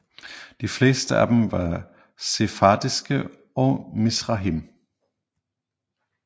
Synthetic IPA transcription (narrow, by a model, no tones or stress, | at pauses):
d̥ifle̝̰ːsd̥əʔæ̰d̥emʋɑ̈ | sefɑd̥isɡ̥ə | ɒ̽misʁɑɦim